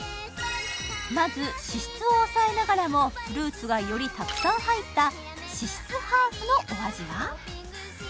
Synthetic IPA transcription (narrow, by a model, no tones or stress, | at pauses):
mazɨɕiɕi̥t͡sɨo̞ːsaenaɡaɾamo̞ɸɯ̟ɾɯ̟ːt͡sɨɡajo̞ɾʲit̪akɯ̥sãɰ̃hait̪ːa | ɕiɕi̥t͡sɨhaːɸɯ̟no̞ʔoaʑiβa